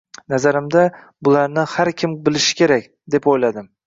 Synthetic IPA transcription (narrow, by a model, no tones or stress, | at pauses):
nazaɾɪmd̪a | bʊlaɾnɪhaɾkʲʰɪmbɪlɪʃɪ̥kʲe̞ɾakʲ | d̪e̞pojlad̪ɪm